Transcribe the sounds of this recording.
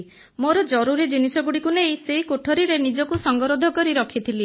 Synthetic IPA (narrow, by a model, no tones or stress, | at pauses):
moɾɔd͡ʒɔɾuɾid͡ʒinisɔɡuɽikunejseɦikoʈʰoɾiɾenid͡ʒɔkusɔŋɡɔɾod̪ʱɔkɔɾiɾɔkʰit̪ʰili